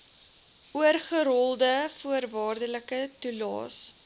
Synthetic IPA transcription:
uərχəɾɔlˠdəfuərvɑːrdələkətulɑ̰ːs

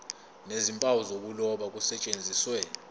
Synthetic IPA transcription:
nezimpʼawɔzok̬ulɔɓak̬usɛt͡ʃʼend͡zʱiswɛlɔ

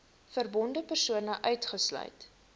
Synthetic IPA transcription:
fərbɔndəpərsuənəʔœɥtχəslœ̰ɥt

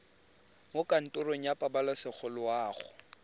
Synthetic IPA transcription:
mʊkʼan̩tʼʊroŋ̩japʼabalasɪk͡xʰʊlʊwaːχʊ

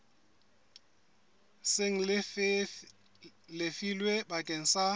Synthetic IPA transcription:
seŋ̩l | lɪfilwebakʼeŋ̩sa

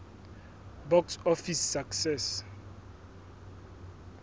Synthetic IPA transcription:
bɔksɔfisːaksɛs

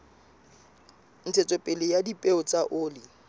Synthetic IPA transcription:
n̩t͡sʰɛt͡sʼɔpʼɪlɪjadipʼeʊt͡sʼaʔʊːlɪ

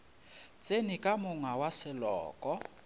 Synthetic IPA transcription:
t͡sʼenikʼamʊŋawasɪlɔ̰ːkʼɔ

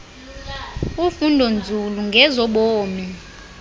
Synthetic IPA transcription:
ufundʱɔnd͡zʱuluŋɡʱɛzɔɓoːmi

